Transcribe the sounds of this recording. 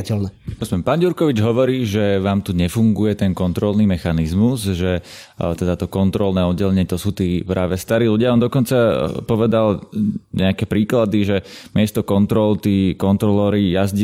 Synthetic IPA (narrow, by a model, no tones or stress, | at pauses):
cɛlnɛɔspɛmpaːnɟuɾkɔʋid͡ʒɦɔʋɔɾiːʒɛʋaːmt̪uɲɛfuŋɡujɛt̪ɛnkɔnt̪ɾɔlniːmɛxanizmuzʒɛ | t̪ɛd̪at̪ɔkɔnt̪ɾɔlnɛːɔd̪ɟɛlɛɲɪɛt̪ɔsuːt̪iːpɾʔaːʋɛst̪aɾiːluɟɪaɔːnd̪ɔkɔnt͡sapɔʋɛd̪alɲɛakɛːpɾiːklad̪iʒɛmɪɛst̪ɔkɔnt̪ɾɔlt̪iːkɔnt̪ɾɔlɛɾijazɟ